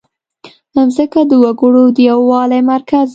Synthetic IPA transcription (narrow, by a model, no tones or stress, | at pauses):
hamzəkad̪əwaɡəɽod̪əjawɑlajmaɾkaz